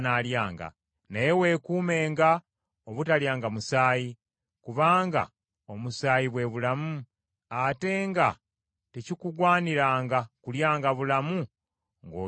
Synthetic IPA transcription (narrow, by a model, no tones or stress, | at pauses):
naːljaːŋɡa̰ | naje̞we̞kuːme̞ːŋɡa | oβutaljaːŋɡamusaːji | kuβaːŋɡa̰ | o̞musaːjiβwe̞βulamu | ate̞ːŋɡa | tecikuɡwaːniɾaːŋɡakuljaːŋɡaβulamu | ŋɡoː